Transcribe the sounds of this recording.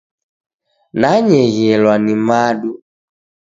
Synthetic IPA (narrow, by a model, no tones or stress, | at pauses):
naɲɛɣɛlwanimaɗu